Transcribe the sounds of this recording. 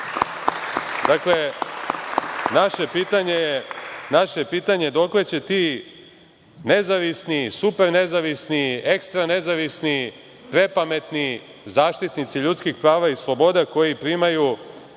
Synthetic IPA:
d̪akle̞ | naʃe̞piːt̪aɲe̞jenaʃe̞piːt̪aɲe̞d̪o̞kle̞t͡ɕe̞t̪iː | ne̞zaʋisnisupeɾne̞zaʋisniekst̪ɾane̞zaʋisni | pɾe̞pame̞t̪ni | zaːʃt̪it̪nit̪siʎut̪skixpɾaːʋaislˠobo̞d̪ako̞jipɾiːmaju

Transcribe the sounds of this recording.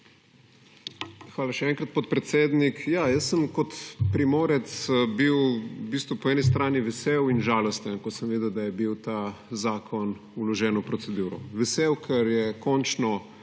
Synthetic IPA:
xʋaːlaʃɛɛːŋkɾɐt̪pɔt̪̚pɾɛt̪seːd̪nikjajəsːəmkɔt̪pɾimoːɾɛt̪sbiwbiːst̪ʋɔpɔɛːnis̬t̪ɾaːniʋɛsewinʒaːlɔst̪ənkɔsəmʋeːd̪ɛwd̪ajɛbiwt̪azaːkʰɔn | ulɔʒɛːnɔpɾɔtsɛd̪uːɾɔʋɛseːwkʰɛɾjɛkɔnt͡ʃnɔ

